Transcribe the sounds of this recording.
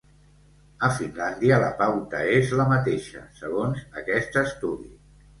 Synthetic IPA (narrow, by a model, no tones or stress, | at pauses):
əfinland̪iələ̰pawt̪əezləmət̪eʃə̰səɣ̞onzəkɛst̪əst̪uðḭ